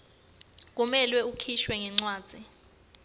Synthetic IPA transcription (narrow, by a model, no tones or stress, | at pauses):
k̬ʼumɛlwɛukʰiʃwɛŋɛŋ͡ǀwaːd̥z̥ʱi